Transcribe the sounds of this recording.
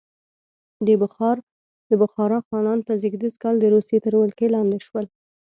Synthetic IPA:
d̪əbʊxɑɾ | d̪əbʊxɑɾafɣɑnɑnpəzɪɡd̪izkɑld̪əɾusjet̪əɾməlkelɑnd̪ɪʃwəl

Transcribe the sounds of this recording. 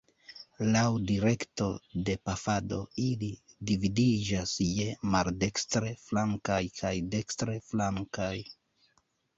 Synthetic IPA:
lawdiɾe̞kto̞de̞pafado̞ili | dividid͡ʒasjemalde̞kstɾe̞flaŋkajkʰajde̞kstɾe̞flaŋkaj

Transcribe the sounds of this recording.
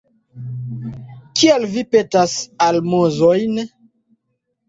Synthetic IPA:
kialvipetasalmozojn

